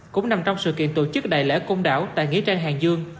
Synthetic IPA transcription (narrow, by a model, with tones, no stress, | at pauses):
kʊ̰˧˥ŋ͡mna˨˩mt͡ɕɔ˧wŋ͡msɨ̰˧˨kḭ˧˨ənt̪o˧˩t͡ɕɨ˦˥k̚ɗa̰ː˧˨jlḛ˧˥ko˧ŋ͡mɗa̰ː˧˥˩wt̪a̰ː˧˨jŋḭ˧˥ət͡ɕaː˧ŋɦaː˨˩ŋzɨ˧əŋ